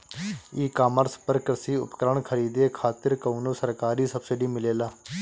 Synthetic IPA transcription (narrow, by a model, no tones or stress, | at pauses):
iːkaːməɾspəɾkəɾsiːʊ̰pkəɾəɳkʰəɾiːd̪eːkʰaːt̪ɪɾkəunoːsəɾkaːɾiːsəbsɪɖiːmɪleːlaː